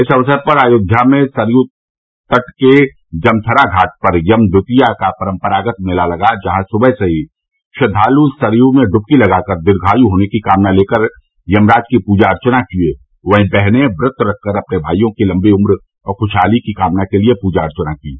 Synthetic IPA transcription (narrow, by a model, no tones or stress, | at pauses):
ɪsɐʋsəɾpəɾaːjoːɡ̪ʱjamẽsəɾju | t̪əʈke | d͡ʒɐmt̪ʰəɾaɡʱaːʈ̚pəɾjɐmd̪ʊt̪ijakapəɾə̃mpəɾaːɡət̪̚mɪlalɐɡad͡ʒɐɦãsʊbəɦseɦi | ʃəd̪ʱaːlusəɾjumẽɖʊp̚kilɐɡakəɾd̪ɪɾɡʱaːjuɦoːnekikaːmnaleːkəɾ | jɐmɾaːd͡ʒkipuːd͡ʒaɐɾt͡ʃnakie | ʋəɦĩbɛɦnebɾɪt̪ʰɾɐkʰːəɾɐpnebʱaːijõkilɐ̃mbiʊmɾ | ɔːɾxʊʃaːlikikaːmnakeliepuːd͡ʒaɐɾt͡ʃənaki